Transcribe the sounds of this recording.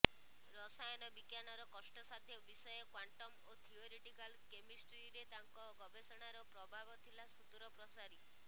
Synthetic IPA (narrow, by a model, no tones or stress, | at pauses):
ɾɔsajɔnɔbikjanɔɾɔkɔsʈɔsad̪ʱjɔbisɔjɔkwaɳʈɔmot̪ʰioɾiʈikalkemisʈɾiɾet̪aŋkɔɡɔbʱesɔɽ̃aɾɔpɾɔbʱabɔt̪ʰilasut̪uɾɔpɾɔsaɾi